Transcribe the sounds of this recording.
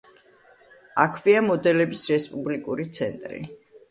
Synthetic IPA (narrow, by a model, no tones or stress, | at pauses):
akʰviamɔd̪ɛlɛbisɾɛspʼublikʼuɾit̪sʰɛnt̪ʼɾḭ